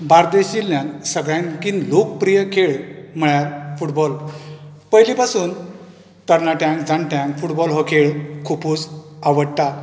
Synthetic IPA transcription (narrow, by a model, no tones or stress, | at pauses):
baɾd̪eɕilːjãnsəɡɭjãnkinlok̚pɾijəkʰeɭm̤əɭjaɾfuʈbɔl | pəjlipasuːn | t̪əɾnaʈjãŋkd͡zãnʈjãŋfuʈbɔlɦɔkʰeɭkʰupuːd͡zaʋəɽt̪a